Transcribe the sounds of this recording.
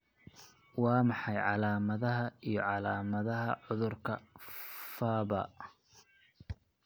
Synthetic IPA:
wɑːmɑħɑjʕɑlaːmɐðɐɦɐijɞʕɑlaːmɐðɐɦɐʕʊðʊrkʰɐ | faːβɐ̰

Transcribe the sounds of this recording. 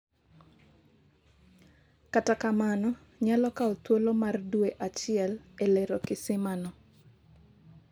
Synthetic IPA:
katakamanɔ | ɲalɔkaot̪wolomardweʔat͡ʃɪɛlelɛɾokɪsɪmanɔ

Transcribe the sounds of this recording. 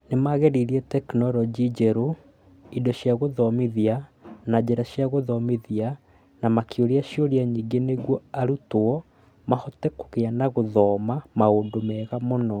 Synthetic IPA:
nemaɣɛɾiɾiɛtɛknɔlɔd͡ʒid͡ʑɛɾo | idɔɕjaɣoðɔmiðianad͡ʑɛɾaɕjaɣoðɔmiðia | namakjoɾiaɕioɾiaɲiɡeneɣwɔaɾutoɔ | mahɔtɛko̥ɣeanaɣoðɔːmamaoːndomɛɣamonɔ

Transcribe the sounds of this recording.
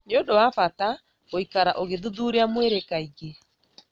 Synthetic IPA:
nodowafata | oikaɾaʔoɣeðuðuːɾeamweɾekaiɣe

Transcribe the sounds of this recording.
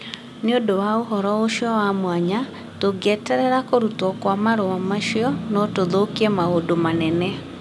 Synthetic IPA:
neodowaoɦɔɾɔoʃjɔwamwaɲa | toɡɛtɛɾɛɾakoɾutwɔkwamaɾowamaʃjɔnɔtoðokiɛmaodomanɛnɛ

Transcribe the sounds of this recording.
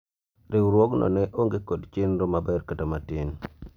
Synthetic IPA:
ɾɪwɾwoɡnɔ̰nɛʔoŋɡekodt͡ʃɪnɾomabɛrkətomatɪn

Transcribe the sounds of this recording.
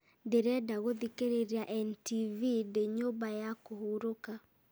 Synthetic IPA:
deɾɛdaɣoðikeɾeɾiaʔɛntivideɲobajakohuɾoka

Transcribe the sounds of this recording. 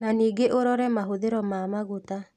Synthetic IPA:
naniːɡeʔoɾɔɾɛmaɦoðeɾɔmaːmaɣota

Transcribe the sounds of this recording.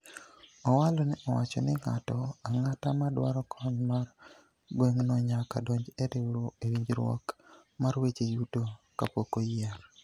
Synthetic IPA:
ɔwalɔnɛʔɔwat͡ʃɔ̰nɪŋa̰tɔaŋatamadwaɾɔkʰɔɲmar | ɡweŋnɔɲakadɔɲd͡ʒeɾewɾoewiɲd͡ʒɾwɔ̰k | maɾwet͡ʃejutokapokojaɾ

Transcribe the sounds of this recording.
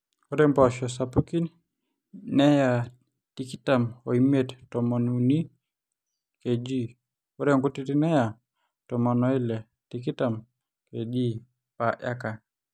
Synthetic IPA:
ɔɾɛmbaʃɔs̬apukin | nɛja | tikitamɔ̰imɛttɔmɔnuni | ked͡ʒi | uɾɛŋɡutiɾinɛja | tɔmɔnɔilɛ | tikitam | kɛd͡ʒi | paʔaka

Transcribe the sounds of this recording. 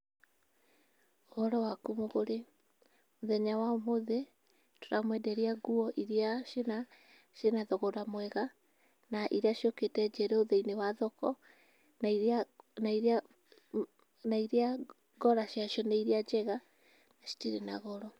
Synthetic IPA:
oɣɔɾɔwakumoɣoɾe | moðɛɲawamoðe | to̥ɾamwɛdɛɾiaɣuɔʔiɾiaena | ʃenaðɔɣɔɾamwɛɣa | naʔiɾeaʃoketɛd͡ʒɛɾɛoðeinewaðɔkɔ | na | naiɾea | ɡɔɾaʃiaʃjɔnaiɾead͡ʒɛɣa | naʃi̥tiɾenaɣɔɾɔ

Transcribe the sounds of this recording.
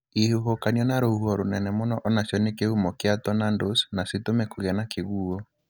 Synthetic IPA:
ihuɦokaniɔnaɾouhuɔɾonɛnɛmonɔʔɔnasjɔnekeumɔkeatɔnandosnasetomɛkoɣɛnakeɣuo

